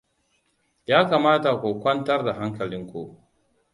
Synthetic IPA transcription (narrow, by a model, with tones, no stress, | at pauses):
jaː˦kaː˨maː˦ta˨kʷu˨kʷɐ˦ntɐ˦rda˨ɦa˦ŋkɐ˨lɪ˦ŋkʷu˦ʔ